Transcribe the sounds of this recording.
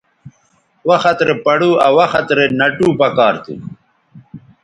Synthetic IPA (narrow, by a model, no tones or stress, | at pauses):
wɐxɐt̪ɾepɐɽuːɐwɐxɐt̪ɾenɐʈuːpɐkɑːɾt̪ʰḭ